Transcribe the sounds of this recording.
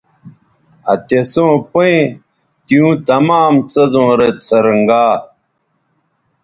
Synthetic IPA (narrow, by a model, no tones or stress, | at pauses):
ɐ̰t̪esõːpoe | t̪ijũːt̪ɐmaːmt͡sɐzõːɾet̪t͡sʰɐɾəŋɡaː